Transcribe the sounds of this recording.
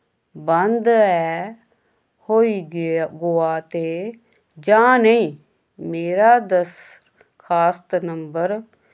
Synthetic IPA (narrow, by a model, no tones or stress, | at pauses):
bənd̪ɛː | hoːiːɪɡoːaːt̪eː | d͡ʒãːnəĩː | meːɾaːd̪əs | kʰaːst̪nəmbəɾ